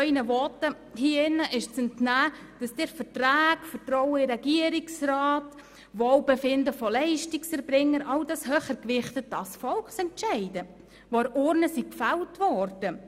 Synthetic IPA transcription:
œinəʋɔtːə | hiːɪnːəʔɪʃt͡sɛntnæː | d̥ɑsd̥ɪɾfətræːɡfəɾtrɔwəɪɾɛɡiəɾiksɾɑːt | ʋɔwbefɪndəfɔlɛɪʃtiksɛɾbɾɪŋːəɾʔɑwdɑshœχəɾkʋɪχtəd̥ɑsfɔlksɛntʃɛɪdə | ʋoɾʔʊɾnəsikfæwtʋɔɾd̥ə

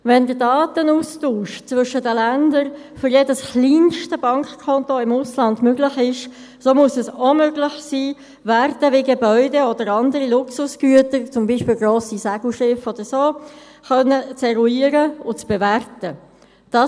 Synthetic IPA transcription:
vɛndədɑːtənuːstuːʃt͡sʋʏʃədəlændəɾ | fʏɾjɛdəsχliːnʃtəb̥ɑŋkχkʰɔnt̪oɪmʊslɑndmøɡlɪχɪʃ | somuəsɛsomøɡlɪχsiː | værtəʋɪɡebœʏdɛɔd̥əɾɑnd̪əɾilʊksʊsɡ̥yətəɾt͡sʊmbiːʃpɪːlɡroːsisæɡ̥l̩ʃɪfɔd̥̪əɾsoː | χœnːət͡sɛɾuiːəɾəʊt͡sb̥eværtə | d̥ɑ

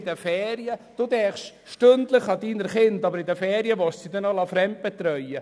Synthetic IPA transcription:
dəfɛːɾiəd̥uːdɛːχʃ | ʃtøndləχɑdiːnəɾχɪndɑbəɾɪdəfɛːɾiəvɔssid̪ɛnɔlɑfɾɛmt̚b̥ɛt̪ɾœjə

